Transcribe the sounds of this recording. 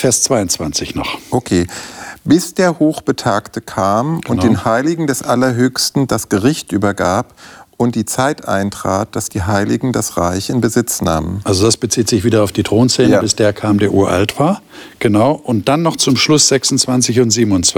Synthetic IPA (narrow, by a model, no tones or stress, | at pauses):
fɛːɐst͡sv̥aɪʊnt͡sv̥a̰nt͡sɪçnɔχʔokʰeːbɪsd̥eːɐhoːxb̥ətʰaːktəkʰaːmʊntd̥eːnhaɪlɪɡŋ̩dɛsʔalɐɦøːçstn̩d̥asɡ̥əʁɪçtʔyːbɐɡaːpʔʊnt̚d̥iːt͡saɪtʔa̰ɪntʁ̥a̰ːt̚d̥asd̥iːɦaɪlɪ̰ɡŋ̩dasʁaɪçɪnbəzɪt͡sna̰ːmənʔalzodasb̥ət͡siːtz̥ɪçv̥iːdɐaʊfd̥iːtʁ̥oːnst͡sɛːəabɪsd̥eːɐkʰaːmdeːɐʔuːɐʔa̰ltv̥aːɐ | ɡ̥ənaʊʔʊnt̚d̥anːɔχt͡sʊmʃlʊsz̥ɛksʊn̩t͡sv̥ant͡sɪçʊntz̥iːbmʊnt͡s